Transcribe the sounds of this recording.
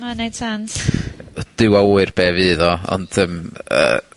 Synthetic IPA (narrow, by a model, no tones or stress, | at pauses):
manejd̥sans | d̥ɪwauːɨrb̥eːvɨðɔɔ̰nd̥əmə̰ː